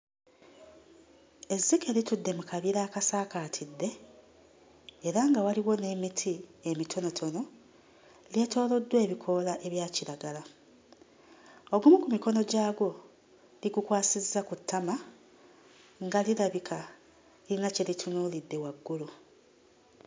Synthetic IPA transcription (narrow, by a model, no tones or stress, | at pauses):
e̞zːike̞litudːe̞mukʰaβiɾaːkasaːkaːtʰidːe̞ | eɾaŋɡawaliwo̞ne̞mitʰiemitʰo̞no̞tʰo̞no̞ | eljato̞ːlo̞dːwe̞ːβikʰo̞laʔe̞βjaːciɾaɡala | oɡumukumiko̞no̞ɟaːɡo̞ | liɡukwaːsizːakutʰːama | ŋɡaliɾaβikʰa | ilinacelitʰunuːlidːe̞waɡːulu